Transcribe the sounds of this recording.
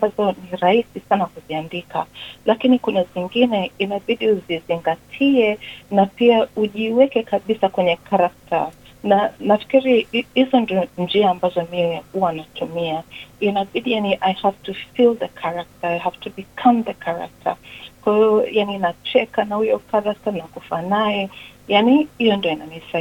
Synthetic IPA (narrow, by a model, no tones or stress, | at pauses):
ambazɔniɾaisisanakuziandika̰lakinikunaziŋɡinɛinaɓiɗiuziziŋɡatʰiɛnapiauʄiwɛkɛkaɓisakwɛɲɛkaɾak̚tʰa̰ | nanafi̥kiɾihizɔndiɔnd͡ʒiaːmbazɔmiɛhuwanatumiainaɓiɗijaniʔajhav̥tufilˠðəkʰaɾak̚taajɦav̥tubikʰãmðəkʰaɾa̰k̚tʰə̰kwahiɔjaninat͡ʃɛkanahujɔkaɾak̚tanakufanajɛjanihijɔndiɔinanisa